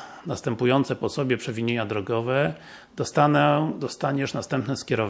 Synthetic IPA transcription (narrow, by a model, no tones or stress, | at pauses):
nast̪ɛmpujɔnt̪sɛpɔsɔbʲjɛpʂɛvʲiɲeɲad̪ɾɔɡɔvɛ | d̪ɔst̪anɛd̪ɔst̪aɲɛʂnast̪ɛmpnɛskʲɛɾɔv